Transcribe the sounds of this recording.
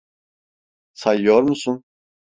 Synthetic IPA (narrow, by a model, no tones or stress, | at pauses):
sajjoɾmusun